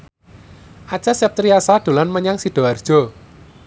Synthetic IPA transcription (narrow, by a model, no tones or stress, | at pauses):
ʔat͡ʃasɛp̚t̪ɾiasaɖ̪̥o̤lanməɲaŋsiɖ̥ɔ̤ard̥ʒ̥ɔ̤